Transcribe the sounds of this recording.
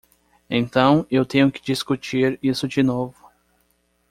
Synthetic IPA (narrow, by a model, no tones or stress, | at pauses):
ẽnt̪ɐ̃w̃ewt̪ẽɲʊkɪ̥d͡ʒiskut͡ʃiɾisʊd͡ʒɪnovʊ